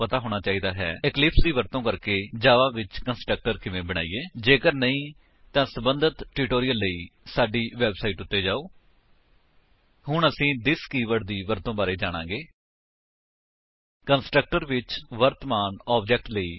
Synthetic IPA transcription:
pət̪aːɦoːɽ̃aːt͡ʃaːiːd̪aːɦɛ̰ːɪklɪpsd̪iːʋəɾt̪õːkəɾkeːd͡ʒaːʋaːʋɪt͡ʃkənsʈɾək̚ʈəɾkɪʋẽːbəɽ̃a̰ːiːeːd͡ʒeːkəɾnəĩː | t̪ãːsəbənd̪ət̪ʈuːʈoːɾijəlːəiːsaːɖiːʋɛːbsaːiːʈʊt̪ːeːd͡ʒaːoː | ɦʊɳəsĩːd̪ɪskiːʋəʈd̪iːʋəɾt̪õːbaːɾeːd͡ʒaːɽ̃ã̰ːɡeː | kənsʈɾək̚ʈəɾʋɪt͡ʃʋəɾt̪əmaːnɔːb̚d͡ʒɛːk̚ʈləiː

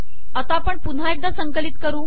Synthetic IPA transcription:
ət̪apəɳpun̤aek̚d̪asəŋkəliːt̪kəɾũː

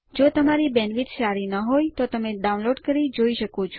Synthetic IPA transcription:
d͡ʒot̪əmaɾibɛnʋit̪ʃaɾinəɦojt̪ot̪əmeɖaunloɖkəɾid͡ʒoiʃəkot͡ʃʰo

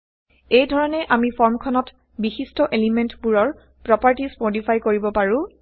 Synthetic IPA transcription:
ejdʱɔɹɔnɛʔamipʰɔɹmkʰɔnɔt | bixistɔʔelimentbuɹɔɹ | pɹɔpaɹtispotipʰajkoɹibɔpaɹũ

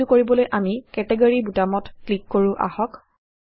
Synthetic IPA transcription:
ukoɹibɔlojʔamikɛtɛɡoɹibutamɔtklikːoɹʊ̃ʔa̰hɔk

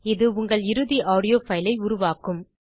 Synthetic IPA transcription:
ɪðɯʊŋɡɐɭɪɾɯðiʔaːɽɪjoːfɐjlɐɪʊɾʊʋaːkɯm

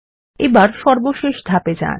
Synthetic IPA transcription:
ebaɾʃɔɾboʃeʃd̪ʱaped͡ʑa̰n

